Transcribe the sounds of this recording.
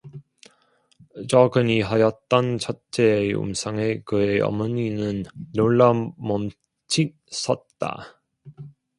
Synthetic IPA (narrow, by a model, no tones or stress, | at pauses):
t͡ɕʌɡɯɲiɦajʌt̚t͈ʌnt͡ɕʰʌt͡ɕʰeːṵmsʰaŋe̞kɯeʌ̰mʌɲinɯnːoɭːamʌm | t͡ɕʰi | s͈ʰʌt̚t͈a̰